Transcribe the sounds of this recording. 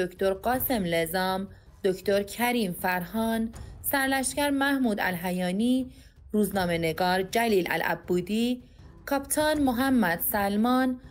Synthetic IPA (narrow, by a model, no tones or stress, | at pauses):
okʰt̪oɾɢɒːse̞mlezɒːm | d̪̥ocʰt̪oɾcʰæɾiːmfæɾɦɒːnsæɾlæʃcæɾmæhmuːd̪æ̰lɦæjɒːniː | ɾuːznɒːmeneɡɒːɾd͡ʒæliːlʔæ̰lʔæ̰bːuːd̪iː | kʰɒpt̪ʰɒːnmoɦæmːæd̪̥sælmɒːn